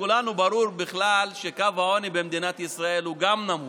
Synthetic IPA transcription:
kulanubaɾuɾbiχlalʃekavao̞nibemd̪inat̪isɾae̞lhuɡamnamu

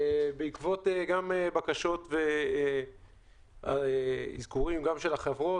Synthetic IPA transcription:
beikvo̞t̪eɡamebakaʃo̞tve | a̰ḭzkuʁimɡamʃelaχevʁo̞

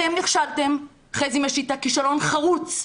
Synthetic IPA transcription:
emniχʃalt̪e̞m | χezimaʃit̪akiʃalo̞nχaʁut͡s

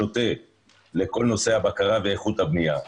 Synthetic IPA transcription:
o̞t̪e | leko̞lno̞se̞habakaʁaveeχut̪habnija

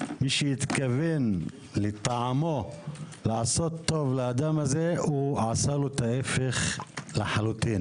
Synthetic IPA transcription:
miʃejit̪kaven | let̪aʕamo̞ | laʕaso̞t̪ːo̞vlaad̪amazeuʕasalot̪aefeχleħalut̪in

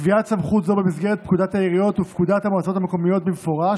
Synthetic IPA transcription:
viasamχut̪zo̞bemisɡeʁet̪̚pkud̪at̪ajiʁijo̞t̪upkud̪at̪hamoat͡so̞t̪ameko̞mijo̞t̪̚bemefo̞ʁa

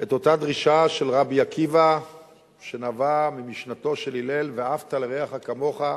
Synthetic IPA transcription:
e̞t̪o̞t̪ad̪ʁiʃaʃe̞lʁabijakiva | ʃe̞navamimiʃnat̪o̞ʃe̞lilelveaaft̪aleʁeaχakamo̞χa

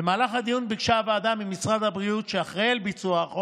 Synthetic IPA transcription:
emaːlaχhad̪ijunbiɡʃavead̪amimːisʁad̪habʁiut̪ʃeaχʁeelbit͡suaχo

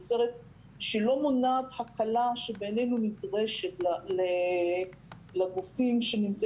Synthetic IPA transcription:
t͡seʁet̪̚ | ʃilo̞monaːthakalaʃebene̞jnunitʁe̞ʃetlale | laɡufimʃenimt͡s

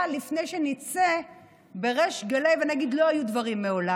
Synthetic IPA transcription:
lifne̞jʃe̞nit͡se | be̞ʁeʃɡalejvenaɡid̪lo̞ajud̪vaʁimːe̞ola

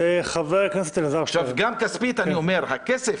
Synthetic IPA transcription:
eχaveʁkniset̪elazaʃavɡamkaspit̪aniomeɾhakese

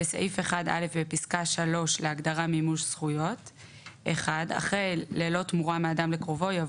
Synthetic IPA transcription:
esa̰ʔifeχada̰le̞fbepiskaʃalo̞ʃleaɡdaʁamimuʃsχujo̞t | ʔeχada̰χʁejleːlo̞tmuʁameadamlekʁo̞vo̞ja

